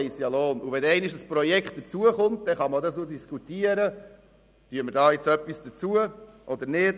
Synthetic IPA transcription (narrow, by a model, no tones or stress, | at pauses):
ɪsjɑloːnuʋɛnɛɪnɪʃdəspɾɔjɛkχt̚d̥ət͡suəχʊnt̚d̥ɛχɑmədɑsnodiskut̪iːəɾə | tyəmədɑːjɛt͡sœpːisd̥ət͡suəʔɔdəɾnɪt